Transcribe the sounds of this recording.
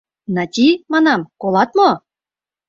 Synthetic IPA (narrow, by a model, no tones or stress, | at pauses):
nɑt̪ʲimɑnɑmkolˠɑt̪̚mo